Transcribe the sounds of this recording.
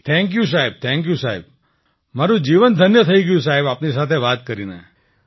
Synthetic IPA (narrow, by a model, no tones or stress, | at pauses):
t̪ʰɛ̃ŋk̬jus̬aɦɛb̚t̪ʰɛ̃ŋkjusaɦeb̚ | maɾũd͡ʒiʋənd̪ʱənjət̪ʰəiɡəjũsaɦebapnisat̪ʰeʋat̪kəɾinḛ